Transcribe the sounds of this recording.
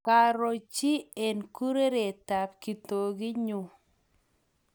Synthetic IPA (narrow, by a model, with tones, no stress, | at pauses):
ka˨ɾo˨t͡ʃi˦e˨nku˦ɾe˦ɾe˨ta˨p̚ki˨to˨ɡi˦ɲʊ˨